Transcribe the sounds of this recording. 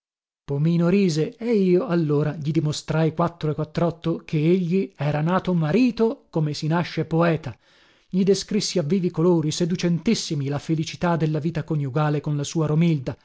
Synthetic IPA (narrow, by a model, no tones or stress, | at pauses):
pomiːnoɾiːzeɛiːoalːoːɾaʎid̪imost̪ɾajkwat̪ːɾoekːwat̪ːɾɔt̪ːokʰeeʎːiɛːɾanaːt̪omaɾiːt̪okomesinaʃːepoɛːt̪a | ʎid̪eskɾisːiavːiːvikoloːɾised̪ut͡ʃɛnt̪isːimilafelit͡ʃi̥t̪ad̪elːaviːt̪akonjuɡaːlekonlasuːaɾomild̪a